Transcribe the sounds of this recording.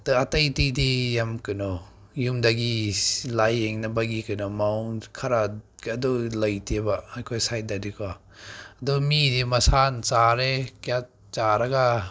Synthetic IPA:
tɯatɐjtidijamkɯnɔ | jumdaɡilajeŋnɐbaɡikɯnɔmawnkʰaɾaadɔlajtʰebaajkʰojsajt̚dadikʰwa | adɔmidimɐsant͡ʃaɾekjat̚ | t͡ʃaɾaɡa

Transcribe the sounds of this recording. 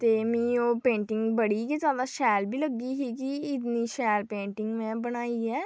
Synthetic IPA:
t̪eːmĩːoːpẽːɳʈɪŋɡbəɽiːkezjaːd̪aːʃɛːlbiːləɡːiːɦiːkɪɪt̪niːʃɛːlpẽːɳʈɪŋɡmɛ̃ːbəɽ̃aːiːɛː

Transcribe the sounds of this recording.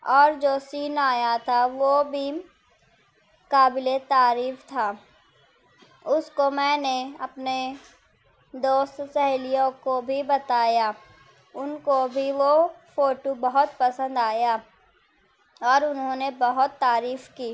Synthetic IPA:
ɔːɾd͡ʒoːsiːnaːjat̪ʰaʋobʱi | kaːbɪlet̪aːɾiːft̪ʰaː | ʊskomɛ̃ːneɐpne | d̪oːst̪sɛɦlijõkobʱibɐt̪aːja | ʊnkobʱiʋofoːʈobɐɦʊt̪pɐsə̃nd̪aːja | ɔːɾʊnɦõːnebɐɦʊt̪ːaːɾiːfkiː

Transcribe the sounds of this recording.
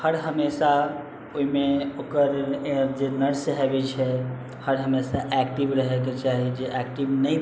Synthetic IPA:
həɽɦəmesa | oɦimeokəɾd͡ʒenəɾsɦebɛt͡ʃʰɛ | həɽɦəmesaʔɛkʈibɾəɦeket͡ʃaɦid͡ʒeʔɛkʈibnəj

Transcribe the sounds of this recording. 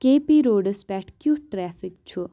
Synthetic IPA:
kepiɾoːɖəspɛːʈʰkjuʈɾɛːfik̚t͡ʃʰu

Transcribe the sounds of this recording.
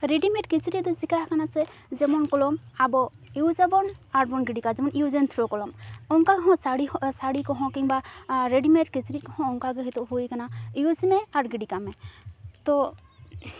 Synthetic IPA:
ɾeɖimeʈ̚kit͡ʃiɾid̪ɔzikahkanasɛ | d͡ʒɛmɔnkɔlɔmabɔ | iwzabɔnaɾbɔnɡiɖikazɛmɔnʔiuzɛnt̪ʰɾɔkɔlɔmɔŋkaɡɔɦɔ̃saɽisaɽikɔɦɔ̃kiŋbaɾeɖimeʈkit͡ʃɾit̚kɔɦɔ̃ɔŋkaɡɛɦit̪ɔɦujkanaiuzimɛaɾɡiɖikamɛt̪ɔ

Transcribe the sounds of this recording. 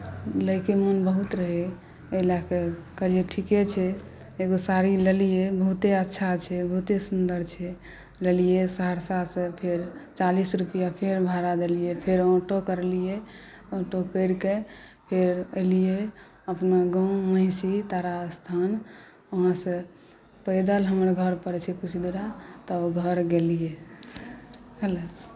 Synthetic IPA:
ləjkemənbəɦut̪ɾəɦe | elakekəɾieʈʰiket͡ʃʰɛ | eɡosaɾilelijebəɦut̪eətːʃʰat͡ʃʰɛbəɦut̪esund̪əɾt͡ʃʰɛ | lelijesəɦəɽsasə̃pʰeɾt͡ʃalisɾupəjapʰeɾbʱaɾad̪elijepʰeɾɔʈokəɾlije | ɔʈokəɾkepʰeɾəjlije | əpnaɡɔ̃w̃mə̃ɪsit̪aɾast̪ʰan | oɦãsə̃ | pəjd̪əlɦəməɾɡʱəɾpəɾt͡ʃʰɛkut͡ʃʰd̪uɾat̪ɔɡʱəɾɡelije | ɦəlo

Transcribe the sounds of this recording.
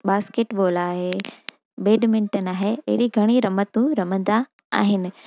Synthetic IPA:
ɓaːskeːʈɓoːlaːɦe | beːɖmɪ̃nʈənɪaːɦeɐ̰ɦɪɽiɡʱɐɽ̃iɾɐmət̪ũɾɐmə̃nd̪a | a̰ːɦɪnɪ̆

